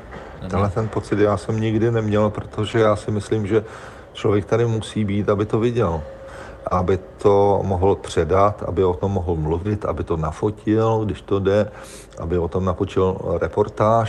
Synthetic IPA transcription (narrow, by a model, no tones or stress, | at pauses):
ɛnlɛt̪ɛnpo̞t͡sɪt̪jaːsɛmɲɪɡdɪnɛmɲɛlpɾot̪ʰo̞ʒɛjaːsɪmɪsliːmʒɛ | t͡ʃlovjɛk̚t̪adɪmusiːbiːt̪abɪt̪o̞vɪɟɛl | ʔabɪt̪ʰo̞moɦl̩pr̝̥ɛdat̪ʔa̰bɪot̪o̞mːoɦl̩mluvɪt̪ʔa̰bɪt̪o̞nafocɪlɡdɪʃt̪odɛ | ʔa̰bɪot̪o̞mnafot͡ʃɪlɾɛpo̞ɾt̪aːʃ